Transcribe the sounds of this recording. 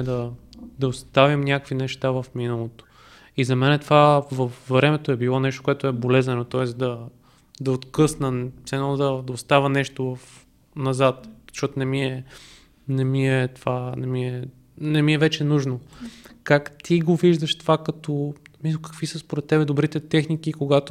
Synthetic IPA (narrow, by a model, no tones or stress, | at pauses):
ɛd̪ɐd̪ɐost̪avimnʲakəkvinɛʃt̪avəfminəlˠot̪o̥ | izɐmɛnɛt̪ovavɐfːɾɛmɛt̪oɛbilˠɔnɛʃt̪okʊɛt̪oɛbolɛzɛnot̪ɔɛsd̪ɐ | d̪ɐot̪kɤsnəsɛnlˠd̪ɐd̪ɐost̪avənɛʃt̪ovɐf | nɐzat̪̚z̥ə̥ʃɔt̪onɛmiɛ | nɛmiɛt̪ovanɛmiɛ | nɛmiɛvɛt͡ʃɛnuʒnokakt̪ʰiɡoviʒd̪əʃt̪ovakɐt̪omislˠkə̥kv̥isəspoɾɛt̪ːɛbɛd̪obɾit̪ɛt̪ɛxnik̟ikoɡat̪o